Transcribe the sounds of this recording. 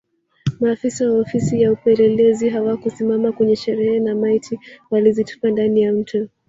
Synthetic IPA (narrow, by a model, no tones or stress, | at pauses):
maːfisawaɔfisijaupɛɾɛlɛziɦawakusimamakwɛɲɛʃɛɾɛɛnamaitʰiwalizitu̥pandanijam̩tʰu